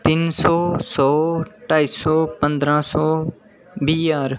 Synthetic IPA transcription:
t̪ɪnsɔːsɔːʈaːiːsɔːpə̃nd̪ɾãːsɔː | biːaːɾ

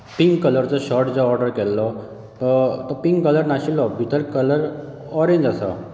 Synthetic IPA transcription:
piŋɡkələɾt͡sɔɕɔɾʈd͡zɔɔɾɖəɾkɛlːɔ | t̪ɔt̪ɔpiŋɡkələɾnaɕilɔbʱit̪əɾkələɾ | ɔɾẽɲd͡zasa̰

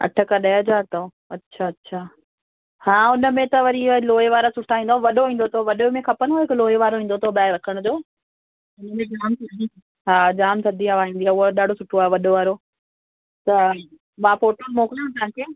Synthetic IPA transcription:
ɐ̰ʈʰəkaɗɐɦɐzaːɾt̪ɐõ | ɐtːɕʰaːɐtːɕʰaː | hãːʊnə̆mẽt̪ɐʋɐɾiloːeʋaːɾasʊʈʰːaːɦĩːnd̪oaʋɐɗoʋĩːn̆d̪ot̪ʰoʋɐɗomẽkʰɐpənɦoɪkʊloːeʋaːɾoʋĩːnd̪ot̪ʰobaːɾɐkʰəɽ̃ʊd͡ʑoː | ʊnəmẽd͡ʑaːmt̪ʰɐd̪i | ɦaːd͡ʑaːmt̪ʰɐd̪iaʋaːɦĩːnd̪iaːʊɦoɗaːɖʱosʊʈʰoaːɦeʋɐɗoʋaːɾo | t̪ɐ | mãːfoːʈolmoːkɾãt̪ãːkeː

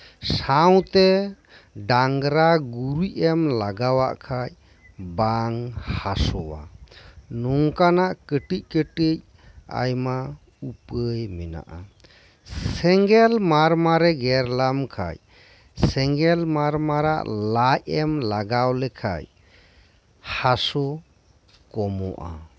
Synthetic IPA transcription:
saw̃t̪ɛ | ɖaŋɡɾaɡuɾuʔɛmlaɡawa̰ʔkʰaj | baŋhasɔwa̰ | nuŋkanaʔkəʈic̚ʈkəʈic̚ | a̰jma | upəjmɛna̰ʔa | ssɛŋɡɛlmaɾmaɾɛɡɛɾlamkʰa̰j | sɛŋɡɛlmaɾmaɾa̰ʔlajɛmlaɡawlɛkʰa̰j | hasɔ | kɔmɔʔa̰

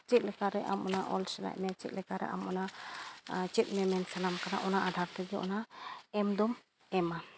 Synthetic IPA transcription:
t͡ʃɛt̪̚lɛkaɾɛʔa̰mɔnaʔɔlsɛna̰ʔ̚mɛt͡ʃɛt̪̚lɛkaɾɛ̰ʔa̰mɔna | t͡ʃɛt̪̚ˀmɛmɛnsalamkana̰ʔɔnaʔad̪ʱaɾt̪ɛɡɛʔɔ̰naɛmd̪ɔm | ɛma

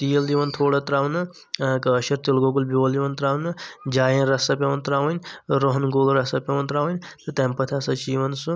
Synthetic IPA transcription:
t̪ijld̪iʋɐnt̪ʰoːɽɐt̪ɾaːʋnɐ | kɐːʃɐɾt̪ilɡoɡulbiʋɐld̪iʋɐnt̪ɾaːwnɐd͡ʒaːjẽnɾɐsɐpʲɐʋɐnt̪ɾaːʋɐnʲɾoɦnɡoːlɾɐsɐpʲɐʋɐnt̪ɾaːʋɐnʲt̪ɨt̪ɛmpɐt̪ʰasɐt͡ʃiːʋɐnsu

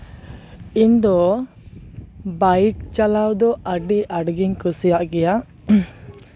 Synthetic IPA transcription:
ind̪ɔ | bajk̚t͡ʃalawd̪ɔʔaɖiʔaɖɡiŋkusijaʔɡɛja

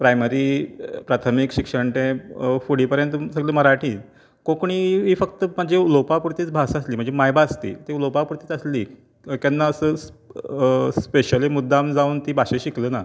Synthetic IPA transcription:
pɾajmeɾiːpɾat̪ʰəmikɕikʂəɳʈ̪ẽfuɽiːpəɾjənt̪səɡleːməɾaʈʰiː | kõkɳ̃iːʋiːfək̚t̪əm̤əɳd͡ʑelopapuɾt̪iːt͡sbʱasəsliːm̤əɳd͡zemajbaːst̪ḭːt̪elopapuɾt̪iːt͡sasliː | kanːaəsəːs | speɕəliːmud̪ʱːamd͡zaunt̪iːbʱaɕẽɕikləːna

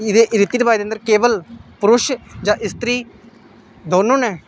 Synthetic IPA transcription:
ɪd̪eːʔɪɾɪt̪ːiːd̪əbaːjd̪eənd̪əɾkeːʋəlpʊɾʊʃd͡ʒãːʔɪst̪ɾiː | d̪oːnõːnɛː

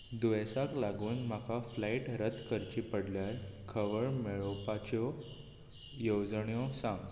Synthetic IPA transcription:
d̪uʋɛsaklaɡuːnm̤akaflaiʈɾət̪kəɾt͡ɕipəɽljaɾkʰəʋəɭmeɭɔpat͡ɕɔ | jowd͡zɳjɔsãŋɡ

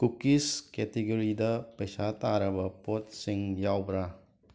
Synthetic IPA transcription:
kukiskɛtiɡoɾidɐpɐjsat̪aɾɐbɐpot̚siŋjawbɾa

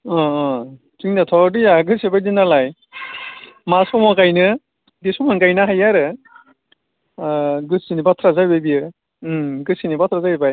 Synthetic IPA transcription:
ɔ | tiŋnatʰɔdɯjaɡɯsibajdinalaj | masɔmɔkajnɯ | disɔmɯnkajnaɦajaɾɯ | ɡɯsinibatʰɾazajbajbijɯ | ɡɯsinibatʰɾazajbaj

